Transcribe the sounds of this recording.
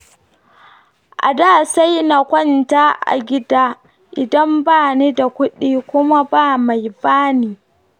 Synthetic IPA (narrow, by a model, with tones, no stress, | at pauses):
ʔa̰˨daː˦˨sa˦jna˨kʷɔ˦˨ntaː˦ʔa̰˨ɡʲɪ˦daː˦ | ʔɪ˨dɐ˦mbaː˦˨ni˦da˨kʷʊ˦ɗiː˦kʷʊ˦ma˦baː˦ma˨jbaː˦niː˨